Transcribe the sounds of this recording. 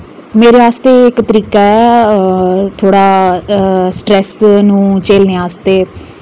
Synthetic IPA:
meːɾeːaːst̪eːɪkt̪əɾiːkaɛː | t̪ʰoːɽaː | sʈɾɛːsnũːt͡ʃeːlneaːst̪eː

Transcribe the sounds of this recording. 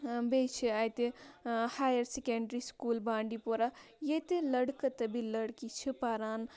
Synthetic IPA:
bet͡ʃʰiaːjt̪ehaːjɐɾsekeɳɖɾiskuːlbãːɳɖipoɾa | jet̪elɐɽkɐt̪ɐbʱilɐɽkit͡ʃʰipaɾaːn

